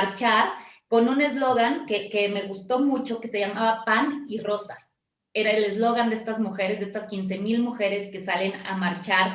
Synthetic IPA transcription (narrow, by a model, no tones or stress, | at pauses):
ɾt͡ʃaɾko̞nũne̞zlo̞ɣaŋkekeme̞ɣust̪o̞mut͡ʃo̞ke̞se̞ʝamaβapaniro̞sas | e̞ɾaele̞zlo̞ɣand̪ee̞st̪azmuxe̞ɾe̞zðee̞st̪askins̬e̞milmuxe̞ɾe̞ske̞sale̞na̰maɾt͡ʃaɾ